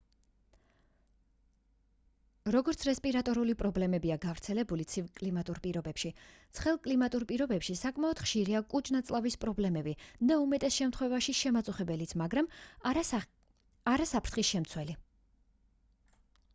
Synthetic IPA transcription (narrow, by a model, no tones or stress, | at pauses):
ɾɔɡɔɾt̪sʰɾɛspʼiɾat̪ʼɔɾulipʼɾɔblɛmɛbiaɡavɾt̪sʰɛlɛbulit̪sʰivkʼlimat̪ʼuɾpʼiɾɔbɛpʃit̪sʰχɛlˠkʼlimat̪ʼuɾpʼiɾɔbɛpʃisakʼmaɔd̪̥χʃiɾiakʼut͡ʃʼnat̪sʼlˠavispʼɾɔblɛmɛbid̪aumɛt̪ʼɛsʃɛmt̪ʰχwɛvaʃiʃɛmat̪sʼuχɛbɛlit̪sʰmaɡɾam | aɾasapʰɾt̪ʰχisʃɛmt̪sʰwɛli